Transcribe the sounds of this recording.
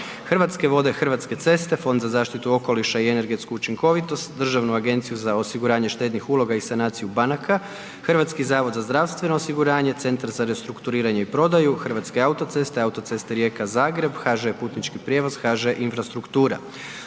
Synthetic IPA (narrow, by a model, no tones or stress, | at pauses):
xrʋat̪ske̞ʋo̞d̪e̞xr̩ʋat̪ske̞t̪se̞st̪e̞fo̞nd̪zazaːʃt̪it̪uo̞ko̞liʃaiene̞ɾɡe̞t̪skuːt͡ʃiŋko̞ʋit̪o̞st̪d̪r̩ʒaʋnuaɡe̞nt̪sijuzao̞siɡuɾaːɲe̞ʃt̪e̞ːd̪nixulˠo̞ɡaisanaːt̪sijubanakʰa | xrʋat̪skizaːʋo̞d̪zazd̪ɾaʋst̪ʋe̞no̞osiɡuɾaːɲe̞t̪se̞nt̪aɾzaɾe̞st̪ɾukt̪uɾiːɾaɲeipɾo̞d̪ajuxr̩ʋat̪ske̞aut̪o̞t̪se̞st̪e̞aut̪o̞t̪se̞st̪eɾje̞ːkazaːɡɾe̞bxaʒepuːt̪nit͡ʃkipɾje̞ːʋo̞z̥xaʒeʔinfɾast̪ɾukt̪uːɾa̰